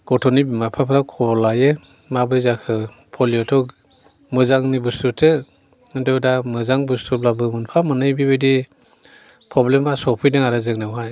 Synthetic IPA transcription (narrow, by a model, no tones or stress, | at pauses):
ɡ̥ɔtʰɔnibimapʰapʰɯɾawkʰɔlaje | mabɯjzakʰɯ | pʰɔlijɔtʰɔk | mɯzaŋnibustutʰɯ | ɯndɯwdamɯzaŋbustublabɯŋunpʰamɯnɯjbibɯdi | pʰɾɔblemasɔpʰɯjdɯŋaɾɯzɯŋnɯwɦaj